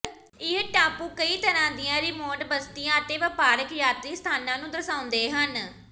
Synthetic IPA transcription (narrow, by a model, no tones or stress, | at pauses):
ɪɦʈaːpũːkəiːt̪əɾãːd̪ɪjãːɾiːmoːʈbəst̪ijãːət̪eːʋəpaːɾəkjaːt̪ɾiːst̪ʰaːnãːnũːd̪əɾsaːʊ̃nd̪eːɦən